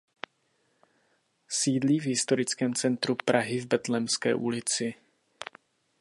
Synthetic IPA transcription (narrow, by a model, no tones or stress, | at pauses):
siːdliːvɦɪst̪o̞ɾɪt͡skɛːmt͡sɛnt̪ɾupɾʔaɦɪvbɛt̪lɛmskɛ̰ːʔulɪt͡sɪ